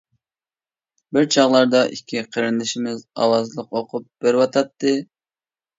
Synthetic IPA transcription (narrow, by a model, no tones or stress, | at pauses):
bɪɾt͡ʃʰɑʁlˠɑɾd̪ɑʔikʲʰːiqʰəɾɪnd̪ɪʃimɪzɑ̰wɑzlˠəqoqʰʊp̚b̥eɾwɑt̪ʰɑt̪ːɨ